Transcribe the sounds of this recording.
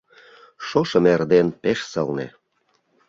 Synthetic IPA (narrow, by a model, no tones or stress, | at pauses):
ʃoʃə̆merd̪enpeʃsə̰lnḛ